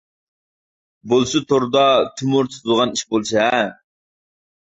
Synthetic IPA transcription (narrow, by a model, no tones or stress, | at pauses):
bolˠsut̪ʰoɾd̪ɑt̪ʰymuɾt̪ʰɨ̥t̪ʰɨd̪ʁɑniʃbolˠsɛ